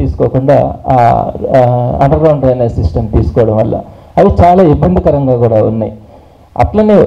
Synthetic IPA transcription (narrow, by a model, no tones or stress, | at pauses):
iːsu̥kɔːkuɳɖa̰ː | ɐ̰ɳɖɐɾɡɐwɳɖɾɐjnɐsisʈɐnt̪iːsu̥kɔːɐɽɐmʋɐlːʔɐ̰ | ɐðit͡ʃaːlaːibːɐnd̪ʱikɐɾɐŋɡaːkuːɽaːṵnːaji | ɐ̰t̪lɐne